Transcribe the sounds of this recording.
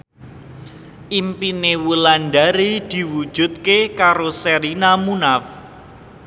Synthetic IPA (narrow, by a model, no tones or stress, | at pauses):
ʔimpinewulanɖaɾid̪̥i̤wud̥ʒ̥ṳt̪̚kekaɾosɛɾinamunaf